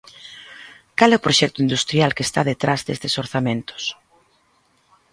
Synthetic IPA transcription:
kalɛʊpɾoʃɛkt̪ʊind̪ust̪ɾjalkest̪aðet̪ɾazðḛst̪esoɾθamẽnt̪ʊ̥s

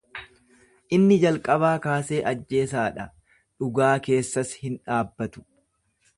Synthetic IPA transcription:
ʔɪnːɪd͡ʒɐlkʼɐβaːkaːse̞ːʔɐd͡ʒːe̞ːsaːᶑɐ | ᶑʊɡaːke̞ːsːɐshɪnᶑaːbːɐt̪ʊ̥

